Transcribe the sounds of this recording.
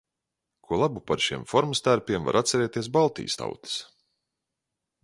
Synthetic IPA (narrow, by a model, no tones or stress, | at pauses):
kʰuɔlˠabupaɾʃiɛmfɔɾmst̪æɾpʲiɛmva̰ɾʔat̪sɛɾɛːt̪iɛsbalˠt̪ḭːst̪a̰wt̪i̥s